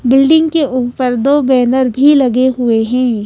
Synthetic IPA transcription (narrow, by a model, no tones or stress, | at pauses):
bɪlɖɪ̃ŋɡkeʔuːpəɾd̪oːbɛːnəɾbʱilɐɡeɦʊeɦɛ̃ː